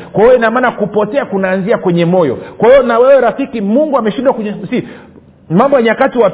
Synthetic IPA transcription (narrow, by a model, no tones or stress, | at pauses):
kwaiwɔinamaːnakupɔtɛakunaːnziakwɛɲɛmɔjɔ̰kwahiɔnawɛwɛɾafikimuŋɡuamɛʃinɗwakɛɲɛsi | mambɔjaɲakatiwa